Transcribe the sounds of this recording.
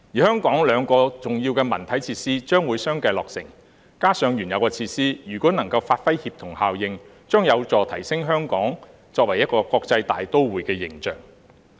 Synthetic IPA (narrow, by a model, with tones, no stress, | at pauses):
jiː˨˩hœː˥ŋkɔː˨˥ŋlœː˨˧ŋkɔː˧t͡sʊ˨˩ŋjiː˧wkɛː˧mɐ̰˨˩nt̪ʰɐ˨˥jt͡sʰiː˧t̚siː˥t͡ʃœː˥ŋwuː˨˧jsœː˥ŋkɐ˧jlɔː˨k̚sɪ̰˨˩ŋ | kaː˥sœː˨˧ŋjyː˨˩njɐ˨˧wkɛː˧t͡sʰiː˧t̚siː˥jyː˨˩kʷɔː˨˥nɐ˨˩ŋkɐ˧wfaː˧t̚fɐ˥jhiː˧p̚t̪ʰʊ˨˩ŋhaː˨wjɪ˨ŋ | t͡ʃœː˥ŋjɐ˨˧wt͡sɔː˨t̪ʰɐ˨˩jsɪ˥ŋɦœː˥ŋkɔː˨˥ŋ | t͡sɔː˧k̚wɐ˨˩jɐ˥t̚kɔː˧kɔː˧k̚t͡sɐ˧jt̪aː˨jt̪o˥wwuː˨jkɛː˧jɪ˨˩ŋt͡ʃœ̰ː˨ŋ